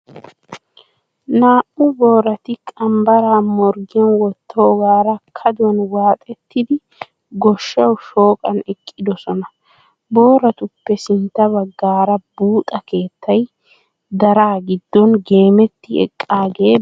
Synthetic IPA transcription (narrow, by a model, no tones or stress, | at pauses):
naːʔʊbo̞ːɾɐt̪ɪkʼɐmbɐɾaːmɔɾɡɪjɐnwɔt̪ʰːo̞ːɡaːɾɐkʰɐd̪ʊwɐnwaːt̪ʼɛt̪ːɪd̪ɪ | ɡɔʃːɐwʃo̞ːkʼɐnɛkʼːɪd̪ɔsɔnɐ | bo̞ːɾɐt̪ʊpːɛsɪnt̪ːɐβɐɡːaːɾɐbuːt̪ʼɐke̞ːt̪ːɐj | d̪ɐɾaːɡɪd̪ːɔnɡe̞ːmɛt̪ːɪɛ̰kʼːaːɡe̞ː